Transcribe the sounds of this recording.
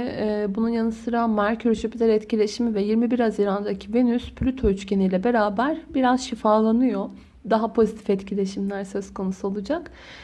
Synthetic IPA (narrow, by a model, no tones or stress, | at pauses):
bununjanɯsɯɾamaɾcʰøɾt͡ʃøpʰid̪ʰɛɾɛt̪cilʲe̞ʃimivɛjiɾmibiɾhaziɾand̪acʰive̞nyspʰlʲyt̪ʰo̞yt͡ʃce̞nijlʲɛbe̞ɾaːbæɾbiɾazʃifaːlˠanɯjo | d̪aɦapʰo̞zit̪ʰifɛt̪cʰilʲe̞ʃimlʲæɾsøz̥kʰo̞nusuolˠud͡ʒak